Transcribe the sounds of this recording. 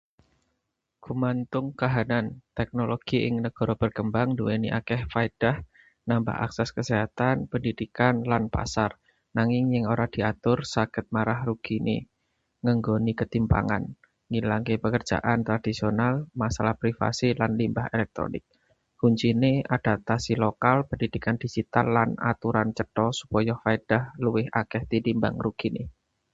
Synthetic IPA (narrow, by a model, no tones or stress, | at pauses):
ɡ̥ṳmant̪ʊŋkaɦanant̪ɛk̚noloɡ̥iʔɪŋnəɡ̥ɔ̤ɾɔb̥ərkəmbaŋduweniʔakɛhfaid̥ah | namba̰ʔa̰ksɛskəseɦat̪anpəndid̥ikanlanpa̰sar | naŋɪŋjɪŋoɾad̥i̤at̪ʊrsaɡ̥ət̪̚maɾahruɡ̥inḛ | ŋəŋɡonikət̪impa̰ŋa̰n | ŋilaŋkepəkər̥ʒ̥a̰ʔant̪ɾad̥isionalmasalahpɾifa̰silanlimbaɦelɛk̚t̪ɾo̰nɪ̰k̚ | huɲt͡ʃinead̥a̤t̪asilokalpəndid̥ikand̥i̤d͡ʒ̥it̪a̰lːana̰t̪uɾant͡ʃət̪ɔsu̥pɔjɔfaed̥ahluwɪhakɛht̪id̪imba̰ŋruɡ̥inḛ